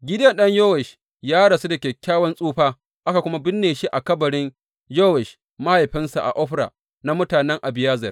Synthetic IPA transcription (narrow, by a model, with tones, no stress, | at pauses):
ɡʲɪ˦dɐ˦nɗɐ˦ɲjoː˦wɛ˨ʃ | jaː˦ɽɐ˨se˦dɐ˨kʲɛ˨kʲːaː˦wɐ˦nsʼuː˦ɸaː˦ | ʔa˦ka˨kʷʊ˦ma˦bɪ˦nːeː˨ʃi˦ʔa˨kɐ˦bɐ˨ɽɪ˦n | joː˦wɛ˨ʃ | ma˦ha˨jɸɪ˦nsa̰˨ʔa̰˨ʔɔ˦ɸɽa̰˨ | na˦mʊ˦taː˨nɛ˦ŋʔa˨bɪ˨jaː˦zɐ˨r